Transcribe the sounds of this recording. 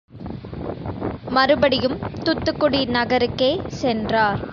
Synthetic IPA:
mɐɾɯbɐɽɪjɯmt̪ʊt̪ːɯkːʊɽinɐɣɐɾɯkːeːsɛndraːɾ

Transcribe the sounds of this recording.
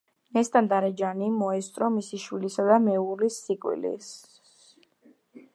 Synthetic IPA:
nɛst̪ʼand̪aɾɛd͡ʒanimɔɛst̪ʼɾɔmisiʃwilisad̪amɛuɾlisːikʼwḭlḭ

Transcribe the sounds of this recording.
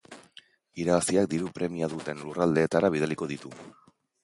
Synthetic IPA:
iɾaβasiak̚d̪iɾupɾe̞miaðut̪e̞nlurald̪e̞ːt̪aɾaβ̞ið̞eliko̞ðit̪u

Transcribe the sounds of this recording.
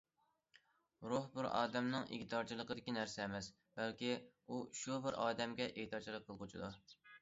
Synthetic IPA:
ɾohbɪɾɑ̰ːd̪ɛmnɨŋiɡʲt̪ɑɾt͡ʃʰilˠəqəd̪ɪkʲinæɾsɛːmɛs | bælkʲi | uʃubɪɾɑːd̪ɛmɡʲɛʔet̪ʰɑt͡ʃʰilˠəqʰːəlˠqʰʊt͡ʃʰid̪u

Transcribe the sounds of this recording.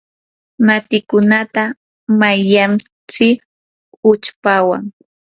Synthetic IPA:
mat̪ɪkʊnat̪a | majʎam | t͡sɪ | ʊt͡ʃpawa̰ŋ

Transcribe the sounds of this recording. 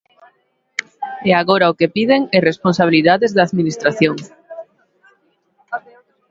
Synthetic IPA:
ɛaɣoɾaʊkepiðeŋeresponsaβiliðaðezðaːðminist̪ɾaθjoŋ

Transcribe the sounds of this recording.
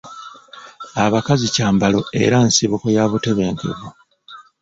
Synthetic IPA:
aβakazicaːmbalo̞e̞̰ɾansiβukojaβute̞βe̞ːŋke̞̰βu

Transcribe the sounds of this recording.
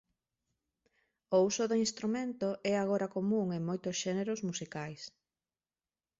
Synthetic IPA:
ousʊðoinst̪ɾumẽnt̪oʔɛaɣ̞oɾakomũŋeŋmojt̪ʊsʃɛneɾozmusikajs

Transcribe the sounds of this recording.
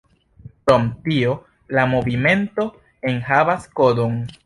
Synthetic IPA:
kɾomtio̞ | lamo̞vime̞nto̞ | e̞nhavasko̞do̞n

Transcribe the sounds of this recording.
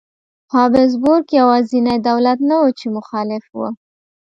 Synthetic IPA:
hɑbɪz̬bʊɾkjawɑzinajd̪awlat̪nawut͡ʃemʊxɑlɪfwṵ

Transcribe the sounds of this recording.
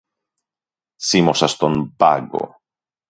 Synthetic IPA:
simosast̪onpaɡo̰

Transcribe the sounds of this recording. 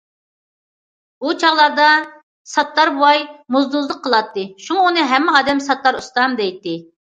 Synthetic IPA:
but͡ʃʰɑʁlˠɑɾd̪ɑ | sɑt̪lˠɑɾbuwɑjmuzd̪uzlˠəqʰːəlˠɑt̪ːɨʃumɑunɨɦɛmːɪʁɑːd̪ɛmsɑt̪lˠɑɾust̪ɑmd̪ɛjt̪ːɪ

